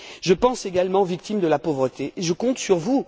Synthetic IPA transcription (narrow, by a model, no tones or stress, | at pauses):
ʒəpɑ̃seɡalmɑ̃vik̚t̪imd̪əlapovʁət̪eʔːʒəkɔ̃t̪syʁvu